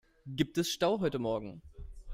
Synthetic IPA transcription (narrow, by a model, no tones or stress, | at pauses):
ɡiːp̚tɛsʃtaʊɦɔʏtəmɔɐɡŋ̩